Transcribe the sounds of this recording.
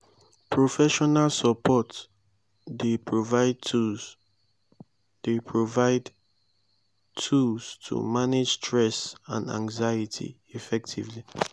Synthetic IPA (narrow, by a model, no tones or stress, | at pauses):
pʰɹofɛʃɔnalsəpʰɔt | depʰɹovaɪd | d̥epʰɹovaɪd | tʰulstʰṵmaned͡ʒstʰɹɛsã̰ndã̰ŋzajitʰḭ | ifɛk̚tʰḭvli